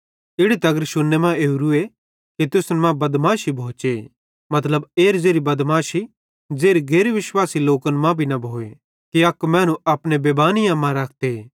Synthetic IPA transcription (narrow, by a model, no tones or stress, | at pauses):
ɪɽit̪ɐɡəɾʃʊnːemãeːuɾue | kit̪ʊsnmãbɐd̪maːʃibʱõːt͡ʃe | mɐt̪ləbeːɾd͡zeːɾibɐd̪maːʃi | d͡zeːɾiɡʱeːɾeʋɪʃwaːsiloːkənmãbʱinɐbʱoːe | kiɐkmɛ̃ːnũɐpnebeːbaːnijãmãɾaːkʰt̪e